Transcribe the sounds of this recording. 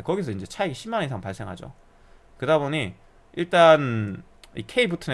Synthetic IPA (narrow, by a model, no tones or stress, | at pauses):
kʌɡisʰʌind͡ʑe̞t͡ɕʰajɡiɕʰimːaneisʰaŋpaɭs͈eŋɦa̰d͡ʑo̰ | kɯdaboɲi | ʔiɭt͈an | ḭkʰe̞ibutʰɯne